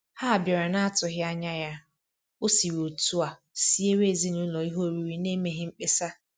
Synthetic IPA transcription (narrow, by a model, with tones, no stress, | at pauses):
ha˦˨bje˨ɾe˨na˦a˦tʊ˨ɦɪ˦a˦ɲa˦ja˦ | o˦si˨ɾo˨tu˦a˨ | si˦e˦we˦˨zi˦nu˦lɔ˨i˦ɦo˦ɾi˦ɾi˦ne˦me˦ɦɪ˦ŋ͡m̩˦k͡pe˦sa˦